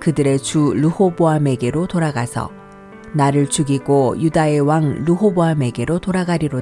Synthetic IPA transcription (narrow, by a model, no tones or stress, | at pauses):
kɯdɯɾe̞t͡ɕuluhoboame̞ɡe̞ɾotoɾaɡasʰʌ̰ | naɾɯɭt͡ɕuɡiɡojudae̞waŋluɦoboameɡe̞ɾotoɾaɡaɾiɾo